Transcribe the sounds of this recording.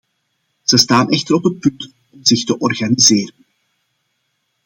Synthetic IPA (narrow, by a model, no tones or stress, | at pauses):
z̥əstaːnʔɛxtəɾɔpɦət̚pɵnt | ɔmzɪxtəʔɔrɣanizɪːɾən